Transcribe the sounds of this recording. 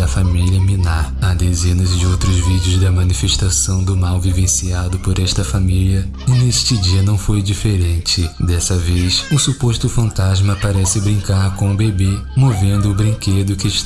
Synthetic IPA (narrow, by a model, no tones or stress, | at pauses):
ɐfamiliɐminaɾɐd̪ezẽnɐzd͡ʒɪowt̪ɾʊzvid͡ʒiʊzd̪ɐmɐ̃nifeʃt̪asɐ̃w̃d̪ʊmawvivẽsiad̪ʊpoɾɛʃt̪ɐfamiliɐ | ɪneʃt͡ʃɪd͡ʒiɐnɐ̃w̃fojd͡ʒifeɾẽnt͡ʃɪd̪ɛsɐvejsʊsupost̪ʊfɐ̃nt̪azmɐpaɾɛsɪbɾĩŋkaɾkõʊbebemovẽnd̪ʊːbɾĩked̪ʊkɪʃ